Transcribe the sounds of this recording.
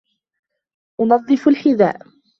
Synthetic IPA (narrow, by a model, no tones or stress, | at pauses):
ʔʊnɑðˤːɨfalħɪða̰ːʔ